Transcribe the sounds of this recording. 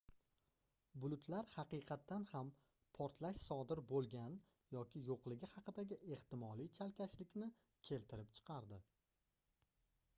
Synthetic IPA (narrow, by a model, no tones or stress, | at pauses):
bʊlˠʊt̪ʰlaɾhɑqɨqʰɑt̪ːanham | pʰɒɾt̪ʰlaʃsɒd̪ɪɾbolˠɡʲan | jɒkʲʰɪjoqlˠɪɡʲɪhɑqɨd̪aɡʲɪʔe̞ht̪ɪmɒlˠijt͡ʃʰalkʲaʃlɪkʲnɪ | kʲʰe̞lt̪ʰɪɾɪp̚t͡ʃʰɨ̥qʰɑɾd̪ɪ